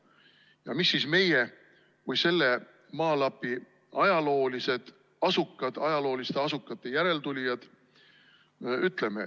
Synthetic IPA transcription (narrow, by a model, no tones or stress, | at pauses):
jɑmisːiːsme̞je | kujse̞lːe̞ | mɑːlɑpːˑi | ɑjɑlo̞ːlise̞d̪̥ | ɑsukːˑɑd̪̥ɑjɑlo̞ːlist̪e̞ɑsukːˑɑt̪ːe̞jæɾe̞lt̪ulʲjɑd̪̥ | yt̪ˑle̞me̞̰